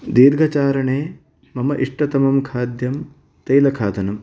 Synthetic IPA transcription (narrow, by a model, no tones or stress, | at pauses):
d̪iːd̪ɡʱɐt͡ʃaːɾɐɳeː | mɐmɐʔiʂʈɐt̪ɐmɐmkʰaːd̪jɐm | t̪ɐjlɐkʰaːt̪ɐnɐm